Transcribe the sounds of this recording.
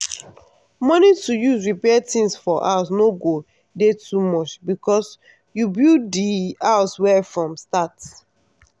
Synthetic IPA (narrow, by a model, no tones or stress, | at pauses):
mɔnitujusɹipɛtĩnsfɔʔa̰s̬noɡo | detʰumɔt͡ʃbikɔs | jubilddiaʊswɛfɹɔ̃mstats